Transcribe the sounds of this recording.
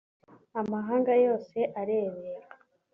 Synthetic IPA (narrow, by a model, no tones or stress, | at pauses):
amaɦaːŋɡajo̞ːse̞ʔaɾeːβeɾa